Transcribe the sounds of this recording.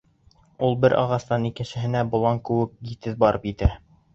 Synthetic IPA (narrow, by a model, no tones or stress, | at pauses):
ulˠbɘɾʔɑ̰ʁɑst̪ɑnikɘ̆nsɘ̆ɦɘ̆næbŏlˠɑŋkʉ̆wɘk̚ɡit̪ɘðbɑɾʔɤpjɘ̆t̪æ